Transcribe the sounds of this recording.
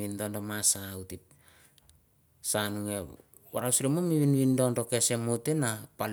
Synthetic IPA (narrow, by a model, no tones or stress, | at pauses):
indondomasautit̚ | sanuŋe | waɾawsɾemomiβinβindo̞nɾo̞ke̞semotenapal